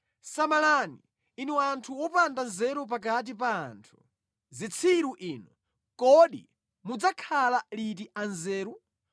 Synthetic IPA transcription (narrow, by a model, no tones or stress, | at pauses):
samalani | inɛwantʰuɔpandanzɛɾup̬ak̬at̬ipa̰ːntʰu | zit͡sʰiɾuʔiːnɔ | kɔɗḭ | mud͡zakʰalalit̬iʔanzɛːɾu